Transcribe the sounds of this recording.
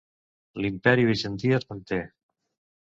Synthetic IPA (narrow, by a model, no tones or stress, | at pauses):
limpɛɾiβiʒənt̪iəzmənt̪e